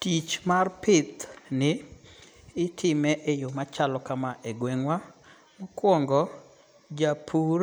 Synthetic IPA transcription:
tit͡ʃmarpɪt̪nɪː | tʰɪmɛʔejomat͡ʃalɔkamaʔeɡweŋwa | mokwɔŋɡɔ | d͡ʒapʰuɾ

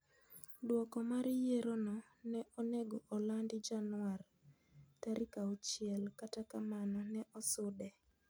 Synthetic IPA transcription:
dwɔkɔmaɾɪjeɾonɔ | nɛʔoneɡoʔɔlandɪd͡ʒanwar | taɾʔikaɔt͡ʃɪɛlkatakamanɔnɛʔɔsʊdɛ

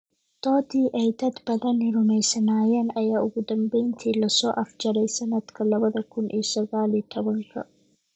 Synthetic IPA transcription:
d̪̥oːt̪iːʔɛjt̪ɐt̪b̥ɐðɐnɪɾʊmɛjsɐnaːjɛnɐjaːʔʊɡʊd̪ɐmbɛjnt̪ʰiːlɐsɔːʔɐfd͡ʒɐɾɛjsɐnɐt̪kʰɐlɐbɐðɐkʊnʔɪːsɔɡaːlɪt̪ʰɐbɐnkɐ̰

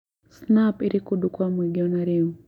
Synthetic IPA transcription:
snapiɾikudukwamwiɡiɔnaɾe

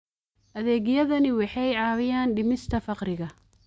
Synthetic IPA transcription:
ʔɐðɛːɣjɐðɐnɪwɑħɑjʕɑːwɪjaːnɖɪmɪst̪ʰɐfɑqrɪɣɐ

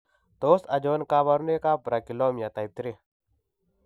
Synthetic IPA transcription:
t̪osɐd͡ʒoːnkaːβɐɾnekaːpɾɐkiloːmjat̪ait̪ɾe

